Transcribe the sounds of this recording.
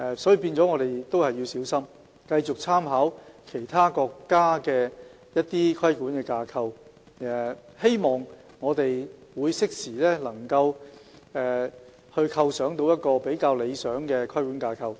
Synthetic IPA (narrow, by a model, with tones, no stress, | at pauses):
ɛ˨˧sɔː˨˥jiː˧piː˧nt͡sɔ˨˥ŋɔː˨˧ɾe˨˩jt̪o˥whɐ˨jːiː˧wsiː˨˥wsɐ˥m | kɐ˧jt͡ʃʊ˨k̚t͡sʰaː˥mɦaː˨˥wkʰe˨˩jt̪ʰaː˥kɔː˧kːaː˥kɛː˧ | jɐ˥t̚t̪iː˥kʰɐ˥jkuː˨˥nkɛ˧kaː˧kʰɐ˧w | ɛ˨˩he˥jmɔː˨˩ŋː | ɔː˨˧t̪e˨jwuː˨˧jsɪ˥k̚siː˨˩lɛː˥lɐ˨˩ŋkɐ˧w | ɛː˨ | hɵ˧kʰɐ˧wsœː˨˥ŋt̪o˧wjɐ˥t̚kɔː˧pe˨˥jkaː˧wle˨˧jsœː˨˥ŋkɛː˧kʰɐ˥jkuː˨˥nkaː˧kʰɐ˧w